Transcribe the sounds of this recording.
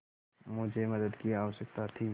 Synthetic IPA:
mʊd͡ʒʱemɐd̪əd̪kiaːʋəʃək̚t̪at̪ʰiː

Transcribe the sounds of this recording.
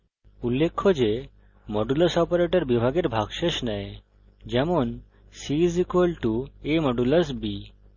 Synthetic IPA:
ulːekʰːod͡ʒe | mɔɖuləsɔpɔɾeʈeɾbibʱaɡeɾbʱaɡʃeʃnɛe | d͡ʑɛmon | sizikolʈuemɔɖuləsbi

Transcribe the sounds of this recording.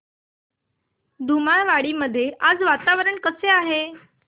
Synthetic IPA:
d̪ʱumaɳʋaɽiːməd̪ʱːjeʔad͡zʋat̪aʋɾəɳkəseaɦe

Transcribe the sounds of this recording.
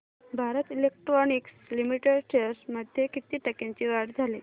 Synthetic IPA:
bʱaɾət̪ilek̚ʈɾɔnikslimiʈeɽʈʰeɾsməd̪ʱjekit̪iːʈəkaɲt͡ɕiʋaɽd͡zʱali

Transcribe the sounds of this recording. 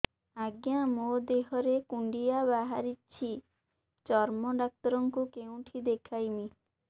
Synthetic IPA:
aɡjamod̪eɦɔɾekuɳɖijaβaɦaɾit͡ʃʰi | t͡ʃɔɾmɔd̪ak̚t̪ɔɾɔŋkukew̃ʈʰid̪ekʰajmi

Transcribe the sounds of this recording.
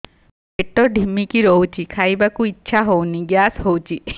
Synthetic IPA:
peʈɔɖʱimikiɾɔwt͡ʃʰikʰajbakuitːʃʰaɦowniɡjasɦowt͡ʃʰi

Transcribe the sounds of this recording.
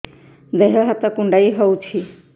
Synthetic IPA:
d̪eɦeɦat̪ɔkuɳɖaiɦowt͡ʃʰi

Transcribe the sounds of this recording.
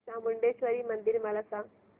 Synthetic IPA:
sãmʊɳɖeʃʋəɾimɐ̃nd̪iɾmɐləsã

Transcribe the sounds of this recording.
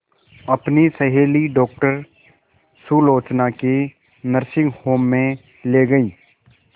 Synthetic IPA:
ɐpnisəɦeːliɖɔːkʈəɾ | suloːt͡ʃnake | nəɾsɪ̃ŋɡhoːmːẽ | leːɡəiː

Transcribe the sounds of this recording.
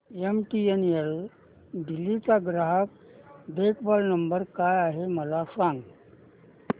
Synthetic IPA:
emʈienel | d̪ilːit͡saɡɾaɦak̚ | bekbɔlnəmbəɾkajaɦeməlasãŋɡ

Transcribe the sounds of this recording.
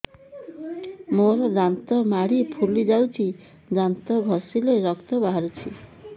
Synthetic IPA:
moɾd͡zant̪ɔmaɽipʰulːid͡zawt͡sʰi | d͡zant̪ɔɡʱʌsileɾʌkt̪ɔbʱaɾut͡sʰi

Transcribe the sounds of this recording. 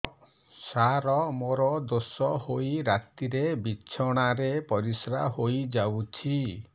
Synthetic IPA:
saɾɔmoɾɔd̪osɔhoiɾat̪iɾebit͡ʃʰɔɽ̃aɾepɔɾisɾaɦojd͡ʒawt͡ʃʰi

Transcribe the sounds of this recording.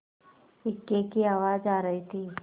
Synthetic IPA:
ɪkːekiaːʋaːd͡ʒaːɾɐɦit̪ʰiː

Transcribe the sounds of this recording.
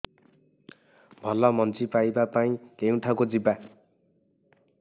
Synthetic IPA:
bʱʌlʌmʌnt͡sipajbapaĩkeũʈʰakod͡ziba

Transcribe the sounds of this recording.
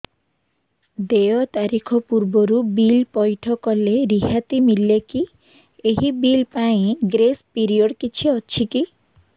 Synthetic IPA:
d̪eɔt̪aɾikʰɔpuɾbɔɾubilpɔjʈʰɔkɔleɾiɦat̪imilːeki | eɦibilpaĩɡɾespiɾiɔɖkit͡ʃʰiɔt͡ʃʰiki

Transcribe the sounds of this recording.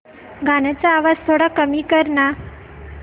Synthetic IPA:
ɡʱanat͡saːʋad͡zt̪ʰoɽakəmiːkəɾna

